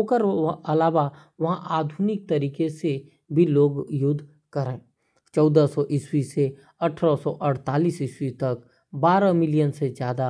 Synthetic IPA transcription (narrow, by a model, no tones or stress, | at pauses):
okəɾɐlaːʋa | ʋɐɦãʔaːd̪ʱunɪk̚t̪ɐɾiːkese | bʱiloːɡjʊd̪ʱː | kɐɾẽː | t͡ʃɔːd̪asɔʔɪswise | ɐʈʰɾasɔʔɐɽt̪aːliːsɪswit̪ɐk | baːɾamɪlijənsezjaːd̪a